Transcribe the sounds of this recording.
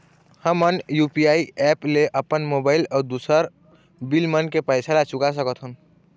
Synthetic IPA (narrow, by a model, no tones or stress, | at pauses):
həmənjupiaiɛpleʔəpənmobaɪlɔɾd̪usəɾ | bilmənkepəɪsalat͡ʃukas̬əkət̪ʰɦun